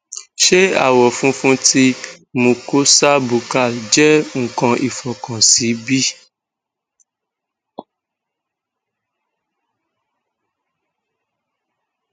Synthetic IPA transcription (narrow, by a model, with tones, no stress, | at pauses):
ʃe˦a̰˦˨wɔ˨fũ˦fũ˦ti˧ | mũ˧ko˦sa˦bu˨ka˦˨ld͡ʒɛ˦ŋ̩˨kɔ̃˧ʔi˨fɔ˨kɔ̃˨si˨˦bi˦